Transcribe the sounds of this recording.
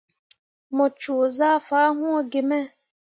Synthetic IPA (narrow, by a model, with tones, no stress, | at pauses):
mɔ̃˨t͡ʃu˨zaː˦faː˨˦ɦũ˦ɔ˦ɡe˨mɛ̃˦˨